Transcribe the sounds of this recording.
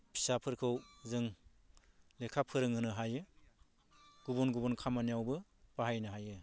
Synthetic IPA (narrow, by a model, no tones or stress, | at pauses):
pʰi̥sapʰɯɾkʰɯwzɯŋ | lekʰapʰɯɾɯŋɯnɯɦajɯ | ɡ̥ubɔnɡubɔnkʰamanijawbɯ | baɦajnɯɦajɯ